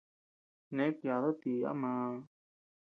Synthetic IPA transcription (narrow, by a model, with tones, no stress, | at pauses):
nẽ˦kjaːðət̪ia̰˦ma˦